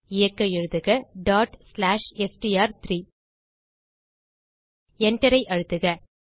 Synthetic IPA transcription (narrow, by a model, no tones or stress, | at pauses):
ɪjɐkːɐɪɻɯðɯɣɐɖaːʈslaːʂɛsʈiaːɾt̪ɾiː | ɛɳʈɐɾɐɪʔɐɻɯt̪ːɯɣɐ